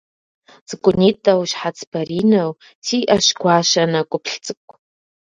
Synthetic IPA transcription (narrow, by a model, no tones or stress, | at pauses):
z̥kʷʼʊnitʼawʃħat͡sʰbaɾinow | tʰiʔaʃɡʷaʃanakʷʼʊpʰɬt͡sʼɨkʷʼ